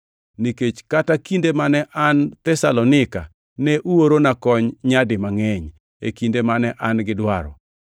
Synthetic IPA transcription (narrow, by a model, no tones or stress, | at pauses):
niket͡ʃkatakindemanɛʔant̪ɛsa̰lɔnɪka̰ | nɛʔuwoɾonakɔɲɲadɪmaŋɛɲ | ḛkindemanɛʔanɡɪdwaɾɔ̰